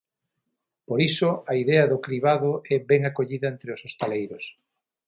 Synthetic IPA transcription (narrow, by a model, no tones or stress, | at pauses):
poɾisʊaiðɛɐðʊkɾiβaðʊɛβɛŋakoʎiðɐent̪ɾeosost̪elejɾʊs